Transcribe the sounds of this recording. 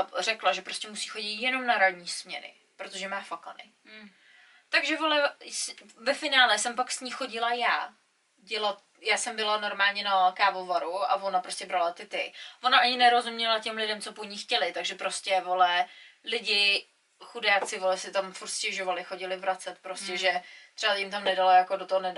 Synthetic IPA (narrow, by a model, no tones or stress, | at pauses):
rɛklaʒɛpɾoscʲɛmusi̥ːxo̞ɟɪt̪jɛno̞mnaɾadɲiːsmɲɛnɪ̰ | pɾot̪oʒɛmaːfakanɪ̰ | t̪aɡʒɛvo̞lɛsvɛfɪnaːlɛsɛmpaksɲiːxo̞ɟɪlajaː | ɟɛlat̪ | jaːsɛmbɪlano̞ɾmaːlɲɛnakaːvovaɾua̰vonapɾoscʲɛbɾalat̪ɪt̪ɪvonaʔaɲɪnɛɾo̞zumɲɛlacɛmlɪdɛmt͡so̞poɲɪxcɛlɪt̪aɡʒɛpɾo̞scʲɛvolɛlɪɟɪ | xudaːt͡sɪvolɛsɪt̪amfuɾt̪scɛʒovalɪxo̞ɟɪlɪvɾat͡sɛt̪pɾo̞scɛʒɛt̪ʂɛbajɪmt̪amnɛdalajakodot̪oɦonɛ